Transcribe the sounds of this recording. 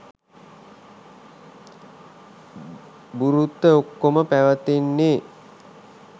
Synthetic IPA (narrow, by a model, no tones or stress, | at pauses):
buɾut̪ːəokːoməpæʋət̪enːeː